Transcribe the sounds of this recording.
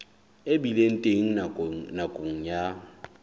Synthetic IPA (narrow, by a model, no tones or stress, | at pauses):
ebilen̩tʼeŋ̩nakʼoŋ̩ja